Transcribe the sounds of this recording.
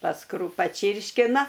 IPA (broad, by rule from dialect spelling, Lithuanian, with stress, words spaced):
pɐˈskrʊ pɐˈt͡ʃʲiːrʲʃʲkʲɪnɐ